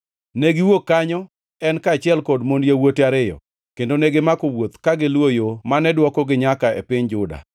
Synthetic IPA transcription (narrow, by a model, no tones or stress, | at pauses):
neɡiwokːaɲɔ | ɛnkat͡ʃɪɛlkɔdmondjewotaɾɪjɔ̰ | kendoneɡɪmakowot̪kaɡɪlwojomanɛdwɔkɔɡɪɲakaɛ̰pɪɲd͡ʒʊda̰